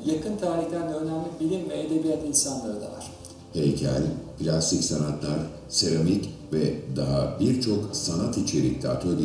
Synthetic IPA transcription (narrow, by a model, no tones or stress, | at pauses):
jakʰɯnt̪ʰaːɾiçlʲæɾnɛønæmlʲibilʲinmeed̪e̞bijat̪insanlˠaɾɯd̪a̰va̰ɾ̥ | hejcʰæ̰lʲpʰilʲasicsanat̪lˠaɾ | se̞ɾamic | vɛd̪aɦabiɾt͡ʃʰo̞ksanat̪it͡ʃʰe̞ɾḭk̚t̪ʰɛːt̪ʰølʲi